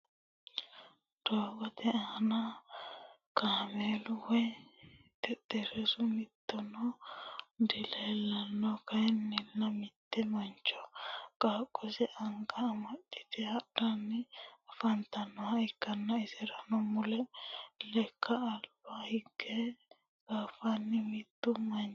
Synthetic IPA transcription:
d̪̥oːbɐt̪ɛɐnɐ | kaːmeːlʊwɛ | t̪ɛd̪ɛɾɛsʊmɪt̪ːɔnɔ | d̪ɪleːlːɐnːɔkɐjnːɪlːɐmɪt̪ːɛmɐnt͡ʃːɔkʼaːkʼːɔsɛʔɐŋɡɐːmɐɗːɪ̥t̪ɪhɐɾɐnːɪfɐnt̪ɐnːɔɐɪkːɐnːɐɪsɛɾɐnɔmʊlɛlɛkːɐːlb̥ahɪɡːɛ | ɡ̥aːfanːɪmɪt̪ːʊmɐ

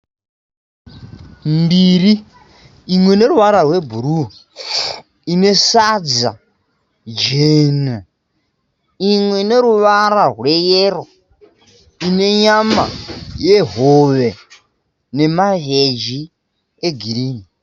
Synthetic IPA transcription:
mbiɾi | imwɛneɾuʋaɾarwebʱuɾu | inesad͡za̰ | d͡ʒena | iŋweneɾuβaɾarwɛjeːɾo | ineɲama̰jeɦoβɛ | nemaɦed͡ʒi | eɡiɾiːni

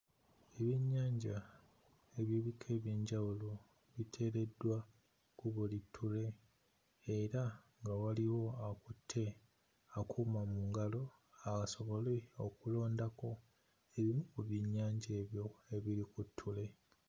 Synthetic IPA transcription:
eβiɲːaːɲɟa | e̞βjiβikʰe̞ːβjiːɲɟawulo | βitʰe̞ːɾe̞dːwa | kuβolitʰːule̞ː | ɾaŋɡawaliwo̞akutʰːe̞ | akʰumamuŋɡalo̞ | akaso̞βo̞le̞okulo̞ːndako̞ | e̞βimukuβjiɲːaːɲɟe̞ːβjo̞e̞βiɾikutʰːule̞

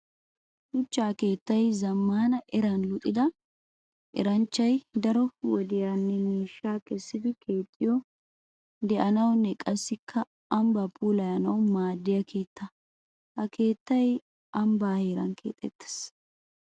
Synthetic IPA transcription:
hʊt͡ʃːaːke̞ːt̪ːɐjzɐmːaːnɐʔɛɾɐnlʊt̪ʼːɪd̪ɐ | ʔɛ̰ɾɐnt͡ʃːɐjd̪ɐɾɔwɔd̪ɪjanːɛmiːʃːaːkɛsːɪd̪ɪke̞ːt̪ʼːɪjɔ | d̪ɛʔɐnɐwnːɛkʼɐsːɪkʰːɐ | ɐmbapʰuːlɐjɐnɐwmaːd̪ːɪjɐkʰe̞ːt̪ːɐ | hɐkʰe̞ːt̪ːɐj | ʔɐmbaːhe̞ːɾɐnkḛːt̪ʼːɛt̪ːɪ̥s

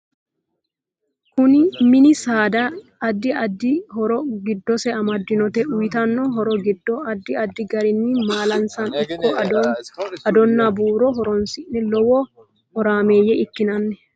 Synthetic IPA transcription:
kʊnɪmɪnɪsaːd̪ɐː | d̪ːɪɐd̪ːɪhɔɾɔɡɪd̪ːɔsɛɐmɐd̪ːɪnɔt̪ɛʊjt̪ɐnːɔɦɔɾɔɡɪd̪ːɔɐd̪ːɪɐd̪ːɪɡɐɾɪnːimaːlɐnsɐnɔkːɔ | ɐd̪ɔnːɐbuːɾɔɦɔɾɔnsɪʔnɛlɔwɔ | hɔɾaːmeːjɛɪkːɪnɐnːɛ

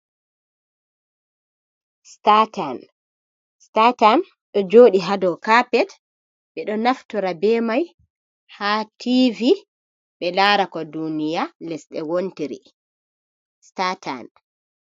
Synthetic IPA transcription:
statan | statan | ɗɔd͡ʒoːɗiɦadɔkapɛt | ɓɛɗɔnaftɔɾabɛmaj | hatʰivi | ɓɛlaːɾakɔdunijalɛsɗɛwontiɾḭ | stata̰n

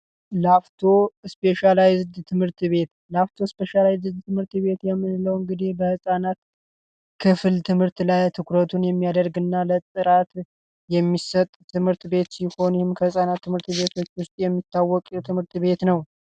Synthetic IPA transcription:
laft̪ʰo̞ɨspe̞ʃalajzɨd̪t̪ʰɨmhɨɾt̪ʰβe̞t̪ | laft̪ʰo̞spe̞ʃalajzɨd̪t̪ʰɨmhɨɾt̪βe̞t̪jɛmːɨnləwɨŋɡɨd̪ihbəhɨsʼanat̪ | kʰɨfɨlt̪ʰɨmhɨɾt̪lajt̪ʰɨkɾət̪ʰunjɛmːijad̪əɾɡɨnːalət̪ʼɨɾat̪ | jɛmːisət̪ʼt̪ʰɨmhɨɾt̪be̞t̪siho̞njhɪmkʰəhɨsʼanat̪ʰːɨmhɨɾt̪βe̞t̪ʰo̞t͡ʃːwʊst̪ʼjɛmːit̪ʰːawːɔkʼt̪ʰɨmhɨɾt̪βe̞t̪nəw

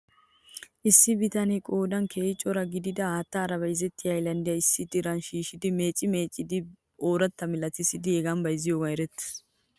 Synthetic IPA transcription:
ʔɪsːɪbɪt̪ɐnɛkʼoːd̪ɐnkʰeːɪt͡ʃʼːɔɾɐɡɪd̪ɪd̪ɐaːt̪ːɐːɾɐbɐjzɛt̪ːɪɐjlɐnd̪ɪjɐɪsːɪd̪ɪɾɐnʃiːʃɪd̪ɪme̞ːt͡ʃʼːɪmeːt͡ʃʼːɪd̪ɪ | oːɾɐt̪ːɐmɪlɐt̪ɪsɪd̪ɪɛɡɐmbɐjzɪjoːɡɐɛɾɛt̪ːɪ̥

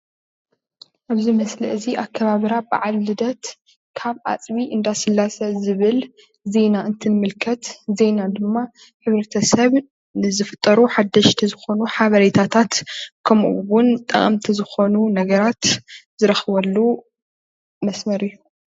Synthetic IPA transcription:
ʔaβzimɐslɐʔɨziʔakʰːɐβaβɨɾaba̰ʕalːɨd̪ɐt̪ | kʰaβʔa̰t͡sʼβiʔɨnd̪asɨlːasɐzɨβɨl | ze̞naʔɨnt̪ʰɨnɨmɨlkʰɐt̪ze̞nad̪ɨmːa | ħɨβɾɐt̪ʰɐsɐβ | nɨzɨfɨt̪ʼːɐɾuħad̪ːɐʃt̪ʰizɨxo̞nuħaβɐɾet̪ʰat̪ʰat̪kʰɐmʔṵwʊnt̪ʼɐ̰χʼɐ̰mt̪ʰizɨxo̞nunɐɡɐɾat̪zɨɾɐxɨβɐlːu | mɐsmɐɾɨjːu

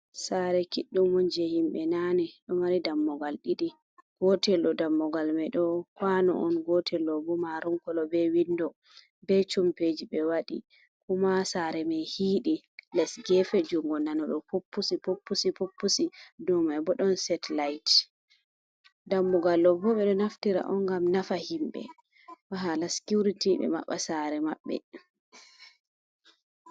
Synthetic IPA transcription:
saɾɛkiɗːumɔnd͡ʒɛhimɓɛnanɛɗɔmaɾidamːɔɡalɗiɗi | ɡ̥ɔtɛlɗɔdamːɔɡalmɛɗɔkwanɔ̰ʔɔnɡɔtʰɛlɔbɔmaɾɔŋkɔlɔbɛwindɔ | bɛt͡ʃumped͡ʒibɛwaɗḭ | kumasaɾɛmɛhiːɗi | lɛsɡɛfɛd͡ʒuŋɡɔnanɔɗɔpopːusipopːusipopːusidɔmabɔɗɔnsɛtlajt | damːuɡalːɔbɔɓɛɗɔnaftiɾa̰ʔɔnɡamnafahimbɛ̰ | waɦalaskuɾitiɓɛ̰ma̰ɓːasaɾɛmaɓːɛ̰

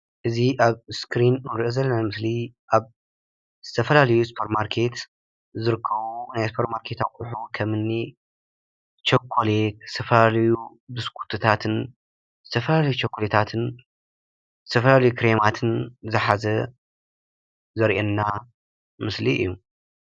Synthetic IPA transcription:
ʔɨziʔaβskʰɾinɨnɾɨʔɨzɐlːɐnamɨsliʔaβ | z̥ɨt̪ʰɐfɐlalɐjusu̥pʰɐɾmaɾkʰe̞t̪ | zɨɾɨkʰːɐβunajsu̥pʰɐɾmaɾkʰe̞t̪a̰kʼuħukʰɐmɨnːi | t͡ʃokʰːolekzɨ̥t̪ʰɐfɐlalɐju | d̪ɨskʰu̥t̪ʰɨt̪ʰat̪ʰɨn | zɨt̪ʰɐfɐlalɐjut͡ʃʰokʰːolet̪ʰat̪ʰɨn | zɨt̪ʰɐfɐlalɐjukʰɾe̞mat̪ʰɨnzɨħazɐ | zɐɾʔenːa | mɨsliɨ̰jːu

